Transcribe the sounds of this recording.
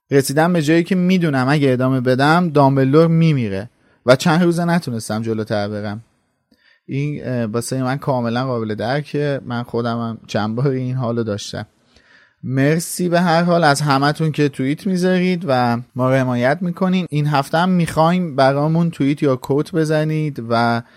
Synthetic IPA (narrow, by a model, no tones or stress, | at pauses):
ɾe̞siːd̪æmbe̞d͡ʒɒːjiːcʰe̞miːd̪uːnæmæɟæed̪ɒːme̞be̞d̪æmd̪ɒːme̞lːoɾmiːmiːɾḛ | væt͡ʃʰænɾuːzenæt̪ʰune̞st̪æmd͡ʒo̞lot̪ʰæɾbe̞ɾæm | ʔinbɒːsejmænkʰɒːme̞lænɢɒːbe̞le̞d̪æɾcʰe̞mænxo̞d̪æmæmt͡ʃʰænbɒːɾiiːnɦɒːlod̪ɒːʃt̪æ̰m | me̞ɾsiːbe̞ɦæɾɦɒːlæzɦæmæt̪ʰuncʰe̞t̪ʰuiːt̪ʰmiːzɒːɾiːd̪væmɒːɾe̞mɒːjæt̪ʰmiːkʰo̞niːminɦæft̪eæmːiːxɒːjmbæɾɒːmunt̪ʰuiːt̪ʰjɒːkʰot̪ʰbe̞zænid̪væ